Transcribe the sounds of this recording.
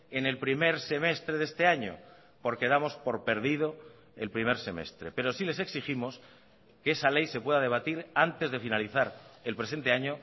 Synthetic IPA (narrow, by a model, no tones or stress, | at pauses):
e̞ne̞lpɾime̞ɾse̞me̞st̪ɾe̞ðe̞st̪eaɲo̰ | po̞ɾke̞ð̞amo̞spo̞ɾpe̞ɾðið̞o̞ | ḛlpɾimeɾse̞me̞̰st̪ɾe̞pe̞ɾo̞sile̞s̬e̞ksiximo̞s | keesale̞jse̞pwe̞ðaðe̞β̞at̪iɾant̪e̞zðe̞finaliθaɾe̞lpɾe̞se̞nt̪e̞aɲo